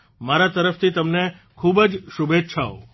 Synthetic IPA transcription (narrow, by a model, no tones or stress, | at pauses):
maɾat̪əɾəft̪ʰit̪əmne | kʰubəd͡ʒʃubetːʃʰa̰o